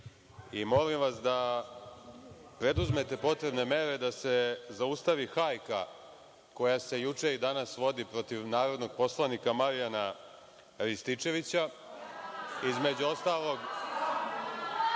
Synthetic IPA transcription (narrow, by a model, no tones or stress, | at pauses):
imo̞limʋasd̪a | pɾe̞d̪uzme̞t̪e̞po̞t̪ɾe̞bne̞me̞ɾe̞d̪ase̞zaust̪aʋixajka̰ | ko̞jase̞jut͡ʂe̞id̪anasʋo̞d̪ipɾo̞t̪iʋnaːɾo̞d̪no̞ɡ̚po̞slˠanikamaɾijana | ɾist̪it͡ʂe̞ʋit͡ɕa | izme̞d͡ʑuo̞st̪aːlˠo̞ɡ